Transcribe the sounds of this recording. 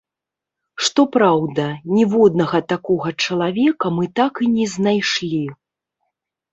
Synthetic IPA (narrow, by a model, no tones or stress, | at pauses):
ʂt̪ɔpɾawd̪ɐnʲɛvɔd̪nɐɣɐt̪akɔɣɐt͡ʂɐlˠavʲɛkɐmɨt̪akɨnʲɛznajʂlʲi